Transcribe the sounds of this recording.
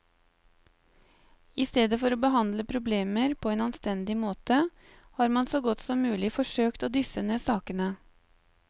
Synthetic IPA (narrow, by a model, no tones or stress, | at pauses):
ɪst̪eːd̪əfɔɾoːbəɦɑnd̪ləpʰɾʊbleːməɾpʰoːeːnɑnst̪ɛnd̪ɪmoːt̪ə | hɑːɾmɑnsoːɡɔt̪sɔmːʉːlɪfɔʂøːkt̪oːd̪ʏsəneːsɑːkənə